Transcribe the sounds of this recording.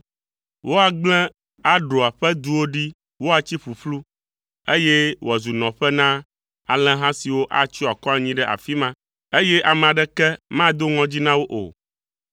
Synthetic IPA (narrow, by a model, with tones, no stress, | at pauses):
wʔo˦a˨ɡ͡blɛ̃˦ | a˦ɖo˨a˨ɸɛ˦d̪u˦wo˦ɖi˦ | wo˦a˨t͡ɕi˦ɸu˨ɸlu˦ | e˦jɛ˦wo˨a˨zu˨nɔ̃˨ɸɛ˦nã˦ | a˨lɛ̃˦ɦã˦si˨wo˦ʔa˨t͡ɕi˦a˨kɔ˦a˨ɲĩ˦ɖɛ˦ʔa̰˨fi˦mã˦ | e˦jɛ˦ʔa˨mɛ̃˨a˨ɖɛ˦kɛ˦mã˦d̪o˦ŋɔ̃˦d͡ʑi˦nã˦wo˦ʔo̰˨